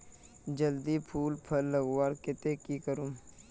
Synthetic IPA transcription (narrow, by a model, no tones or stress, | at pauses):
d͡ʒəld̪ipʰuːlpʰɐlːəɡwaːɾkɪt̪ekikəɾũ